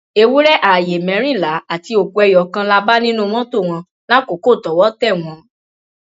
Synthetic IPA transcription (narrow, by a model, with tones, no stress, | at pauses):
e˧wu˦ɾɛ˦ʔa˨je˨mɛ̃˨˧˦ɾ̃ĩ˦˨la˨˦a˦˨ti˧˦o˨ku˧ɛ˧jɔ˨kã˧la˧ba˦nĩ˦nũ˦˧mɔ̃˦to˦˨w̃ɔ̃˧ | la˦ko˨˦ko˦˨tɔ˨wɔ˨˦tɛ˦˨w̃ɔ̃˧